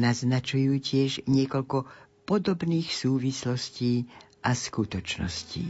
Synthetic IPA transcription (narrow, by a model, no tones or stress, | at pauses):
naznat͡ʃujuːcɪɛʒɲɪɛkɔʎkɔpɔd̪ɔbniːxsuːʋislɔsciː | ʔaskut̪ɔt͡ʃnɔ̰scḭː